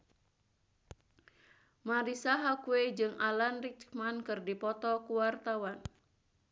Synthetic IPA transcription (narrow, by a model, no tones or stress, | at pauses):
maɾisaɦakuwed͡ʒɨŋʔalanrit͡ʃmankɨrdipɔt̪ɔkuwart̪awan